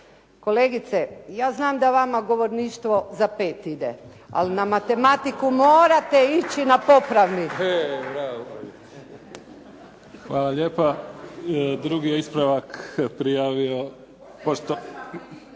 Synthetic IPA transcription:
ko̞leɡit̪sejaːznaːmd̪aʋamaɡo̞ʋo̞ɾniːʃt̪ʋo̞zape̞ːt̪id̪ḛ | a̰linamat̪e̞mat̪ikumoːɾat̪e̞it͡ɕinapo̞pɾaʋnibɾa | xʋaːlaʎeːpa | d̪ɾuɡijeispɾaʋakpɾijaːʋio | poʃt̪o

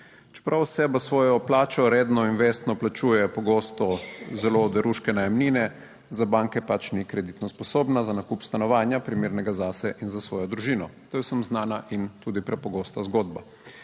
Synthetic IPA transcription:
t͡ʃɛ̥pɾʔawsɛbasʋɔːjɔplaːt͡ʃɔɾeːd̪nɔinʋeːst̪nɔplat͡ʃuːjɛpɔɡoːst̪ɔzɛlod̪ɛɾuʃkɛnajamniːnɛ | zabaːŋkɛpat͡ʃnikɾɛd̪it̪nɔspɔsoːbnazanakupst̪anɔʋaːnjapɾimeːɾnɛɡazasɛʔinzasʋɔːjɔd̪ɾuʒiːnɔt̪ojɛwsəmznaːnaʔint̪uːd̪ipɾɛpɔɡoːst̪azɡoːd̪ba

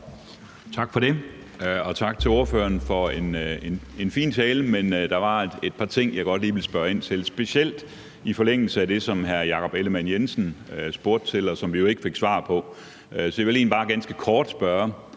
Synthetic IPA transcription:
t͡sʰɑ̈ɡ̥fɒ̽ɾe̝ | ɒ̽t͡sʰɑ̈ɡ̥̚t͡sʰe̝lo̝ɐfø̰ːɐnfɒ̽e̝ne̝ne̝nfḭːnt͡sʰɛːləmend̥ɑ̈ʋɑ̥̈e̝d̥̚pʰɑ̈t͡sʰe̝ŋ̰jɑ̈ɡ̥ɒ̽d̥liːʋe̝lsb̥ɶɐe̝n̰t͡sʰe̝lsb̥e̝ɕiel̰d̥ | ifɒ̽leŋ̰l̩səæd̥e̝sɒ̽mɦæɐjɑ̈kʰɒ̽b̥eləmæn̰jensn̩øsb̥o̝ɐ̰d̥t͡sʰe̝lɒ̽sɒ̽mʋijo̝e̝ɡ̥əfe̝ɡ̥sʋɑ̰̈ːpʰɒ̽ | sɒ̽deʋele̝ːnb̥ɑ̈ːɡ̥ænsɡ̥əkʰɒːd̥sb̥ɶɐ

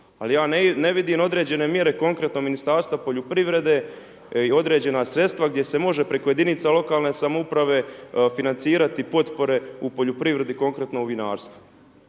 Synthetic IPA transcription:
a̰lijaːnne̞ʋid̪iːmo̞d̪ɾe̞ːd͡ʑe̞ne̞mje̞ɾe̞ko̞ŋkɾe̞t̪nominist̪aːɾst̪ʋapo̞ʎupɾiʋɾe̞d̪e̞ː | io̞d̪ɾe̞ːd͡ʑe̞nasɾe̞t̪st̪ʋaɡ̚d̪je̞se̞mo̞ʒe̞pɾe̞ko̞je̞d̪init̪salˠo̞kaːlˠne̞ːsamoupɾaʋe̞finant̪siːɾat̪ipo̞t̪po̞ɾe̞upo̞ʎupɾiʋɾe̞d̪iko̞ŋkɾe̞t̪no̞uʋinaːɾst̪ʋu̥

